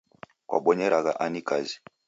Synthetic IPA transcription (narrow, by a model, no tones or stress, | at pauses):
kwʔa̰ɓɔɲɛɾaɣaʔanikazi̥